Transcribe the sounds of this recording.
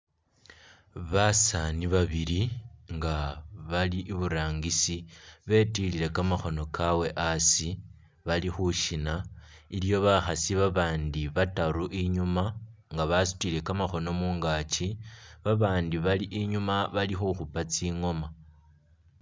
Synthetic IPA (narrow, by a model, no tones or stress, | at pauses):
βasaniβaβiliŋɡaβaliʔːβuɾaːŋɡisiβe̞tilile̞kamaxo̞no̞kʰawe̞ʔasi | βalixuʃina | iljo̞βaxasiβaβaːndiβataɾuʔiɲumaŋɡaβasu̥tile̞kamaxo̞no̞muːŋɡat͡ʃiβaβaːndiβaliʔiɲumaβalixuxupat͡siːŋo̞ma